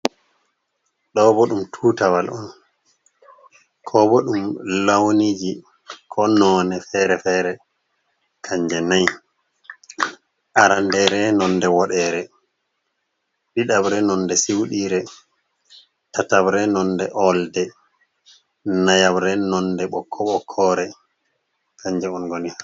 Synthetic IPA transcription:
ɗɔbɔɗumtʰuːtawalɔ̰n | kʰɔbɔɗumlawniːd͡ʒi | kʰɔnɔːnɛfɛɾɛfɛɾɛ | kʰaɲd͡ʒɛnaj | ʔaɾandɛɾɛnɔndɛwɔɗɛɾɛ | ɗiɗabɾɛnɔndɛsiwɗiɾɛ | tatabɾɛnɔndɛʔɔldɛ | najabɾɛnɔndɛɓɔkʰːɔɓɔkʰːɔɾɛ | kʰaɲd͡ʒɛɔnɡoniha

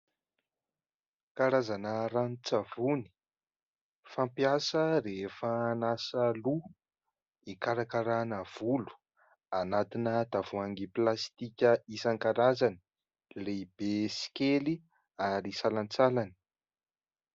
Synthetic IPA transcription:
kaɾazanəɾanit͡savuni̥ | fampiasəɾefəːnasalu | ikaɾakaɾanəv̥ulu̥ | anat̪inəd̪avuaŋɡiplast̪ikʲəisaŋkaɾazani̥ | leib̥esi̥kʲeli | aɾisalant͡salani̥

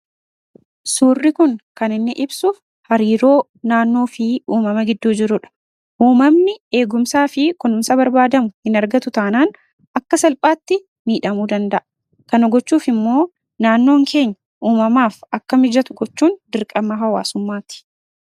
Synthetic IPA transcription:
suːrːɪkʊŋkɐnɪnːɪʔɪbsuːf | hɐɾiːɾo̞ː | naːnːo̞ːfɪuːmɐmɐɡɪd̪ːuːd͡ʒɪɾʊᶑɐ̥ | ʔuːmɐmnɪe̞ːɡʊmsaːfɪkʊnʊmsaːbɐɾbaːd̪ɐmʊhɪnɐɾɡɐt̪ʊt̪aːnaːn | ʔɐkːɐsɐlpʼaːt̪ːɪ | miːᶑɐmuːd̪ɐnd̪ɐʔɐ̥ | kɐnɔɡɔt͡ʃːuːfɪmːo̞ː | naːnːo̞ːŋkʰe̞ːɲːɐ | ʔuːmɐmaːfɐkːɐmɪd͡ʒɐt̪ʊɡɔt͡ʃːuːnd̪ɪɾkʼɐmɐɦɐwa̰ːsʊmːaːt̪ɪ̥

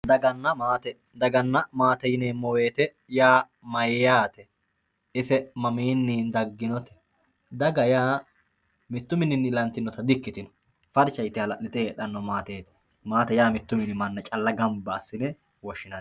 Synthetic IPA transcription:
d̪ɐɡɐnːɐmaːt̪ɛ | d̪ɐɡɐnːɐmaːt̪ɛjɪneːmɔweːt̪ɛ | jaː | mɐjjaːt̪ɛ | ɪsɛmɐmiːnːiːnd̪ɐɡːɪnɔt̪ɛ̥ | d̪ɐɡɐjaː | mɪt̪ːʊmɪnɪnːɪlɐnt̪ːɪnːɔt̪ɐd̪ɪkːɪt̪ɪnɔ̥ | fɐɾt͡ʃːɐjt̪ːɪhɐlɐʔɪt̪ʼeːɗɐnːɔmaːt̪eːt̪ɛ̥ | maːt̪ɛjaːmɪt̪ːʊmɪnɪmɐnːɐt͡ʃʼɐlːɐɡɐmbɐːsːɪnɛ | wɔʃɪnɐ

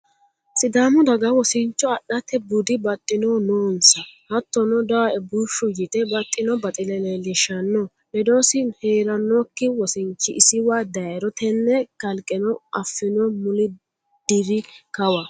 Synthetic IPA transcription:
sɪd̪aːmʊd̪ɐɡɐwɔsɪnt͡ʃːɔɐɗɐt̪ɛbʊd̪ɪbɐt̪ʼːɪnonoːnsɐhɐt̪ːɔnɔd̪ɐwɐɛbuʃʊjɪt̪ɛbɐt̪ʼːɪnɔbɐt̪ʼɪlɛlɛlɪʃɐnːɔ | nɛd̪o̞ːsɪnhe̞ːɾɐnːɔkːɪwɔsɪnt͡ʃːɪʔɪsɪwaːd̪ɐjɛɾɔt̪ʰɛnːɛkɐlkʼɛnɔʔɐfːɪnɔmʊlɪ | d̪̥ɪɾɪkɐwɐ

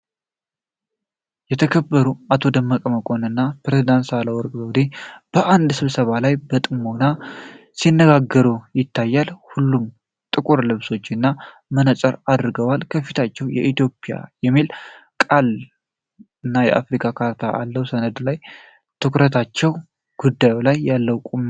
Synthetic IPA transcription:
jɛt̪ʰəkʰəbːəɾuat̪ʰo̞d̪əmːəkʼəməkʼo̞nɨnːapɾezid̪ant̪saləwɔɾkʼzəwd̪eb̥əʔand̪sɨβsəβalajbət̪ʼɨmo̞na | sinːəɡaɡːəɾujɪt̪ːajːalhulːum | t̪ʼɨkʼuɾlɨβso̞t͡ʃːɨnːa | mənət͡ʃʼəɾad̪ɾɡəwalkʰəfit̪ʰat͡ʃːɛwjɛ̰ʔit̪jo̞pʼja̰jɛmːilkʼal | ɨnːajɛ̰ʔa̰fɾikʰakʰaɾt̪ʰaʔa̰lːəwsənəd̪laj | t̪ʰɨkɾət̪ʰat͡ʃːɛw | ɡ̥ud̪ːajlajːalːəwkʼum

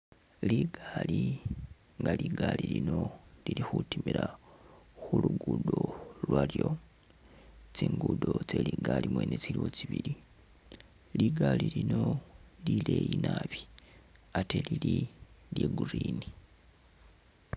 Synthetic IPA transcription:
liɡali | ŋɡaliɡalilino̞lilixutimila | xuluɡudolwaljo̞ | t͡siːŋɡudot͡se̞liɡalimwe̞net͡siliwot͡siβili | liɡalilino̞lilejinaβi | atelililjeɡurini

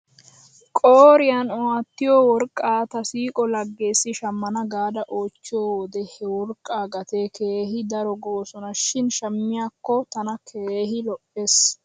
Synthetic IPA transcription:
kʼoːɾɪjaːnɔaːt̪ːɪjoːwɔɾkʼːaːt̪ɐsiːkʼɔlɐɡːe̞ːsɪʃɐmːɐnɐɡaːd̪ɐʔoːt͡ʃːɪjoːwɔd̪ɛhɛwɔɾkʼːaːɡɐt̪e̞ːkeːɦɪd̪ɐɾɔɡoːsɔnɐʃɪnʃɐmːɪjaːkːɔt̪ɐnɐkʰeːhɪlɔpʼːe̞ːs

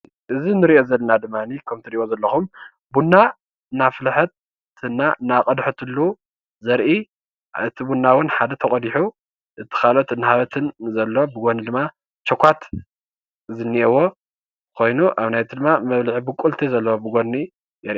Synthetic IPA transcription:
ʔɨzinɨɾiʔozɐlːɐnad̪ɨmːanikʰɐmt̪ʰɨɾiʔo̞zɐlːɐxum | bunːa | naflħɐt̪ | ɨnːanakʼɐd̪ħut̪ʰɨlːu | zɐɾʔi | ɨt̪ʰibunːawʊnħad̪ɐt̪ʰɐχʼɐd̪iħu | ʔɨt̪ʰːɨ̥kalo̞t̪ɨnːhaβɐt̪ʰɨnzɐlːobɨɡonid̪ɨmːa | t͡ʃɐkʷʰat̪ | zɨnːiʔɛwo | kʰo̞jnuʔaβnajt̪ʰid̪ɨmːamɐβlɨʕibɨkʼult̪ʰizɐlːɐwobɨɡonːi | jɛɾiʔ

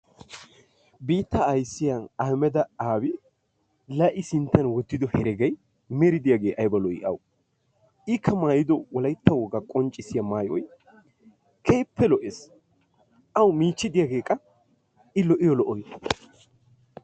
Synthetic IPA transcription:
biːt̪ːɐːjsːɪjaɐhmɛd̪ɐaːwɪ | lɐʔɪsɪnt̪ːɐnwɔt̪ːɪd̪ɔhɛɾɛɡɐj | mɛɾɪd̪ɪjaɡe̞ːʔɐjbɐlɔɪ̰ʔɐ̰w | ɪkʰːɐmaːjɪd̪ɔwɔlɐjt̪ːɐwɔɡɐkʼɔnt͡ʃʼːɪsɪjamaːjɔj | kʰejpʰːɛlɔʔes | ʔɐwʊmiːt͡ʃːɪd̪ɪjaːɡe̞ːkʼːɐ | ɪlɔʔɪjɔlɔʔɔj

